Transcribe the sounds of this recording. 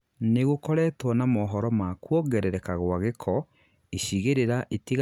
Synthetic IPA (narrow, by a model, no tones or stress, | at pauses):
neɣokɔɾɛtwɔnamɔɦɔɾɔmakwɔɡɛɾɛɾɛkaɣwaɣekʰɔ | eɕiɣeɾeɾaʔetiɣ